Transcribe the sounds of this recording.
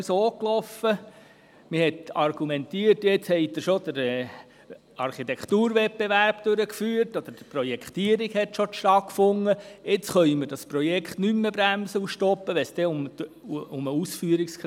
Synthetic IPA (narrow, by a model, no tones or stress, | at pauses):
soːklɔfə | mɪhɛt̪ɑɾɡ̥umɛnt̪iərtjet͡shɛɪd̪əʃod̥̪əɾɛ | ɑɾχit̪ɛkt̪uːɾʋɛt̚beʋæɾpd̪̥øɾəkfyːərtɔd̥̪əɾd̥əpɾɔjɛkχt̪iəɾiɡhɛtʃoʃtɑtkfʊŋːəjɪt͡sχœiməɾdɑspɾɔjɛkχt̪nymːəbɾæmsəuʃtɔpːəʋɛsd̪̥ɛʊm | ʊməusfyəɾiksk